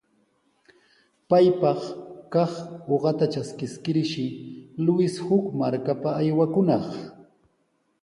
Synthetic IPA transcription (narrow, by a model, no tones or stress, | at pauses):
pajpɑχkɑχoɢɑt̪at͡ʃaskɪskɪɾʃɪlʊɪshʊkmaɾkapaːjwakʊnɑχ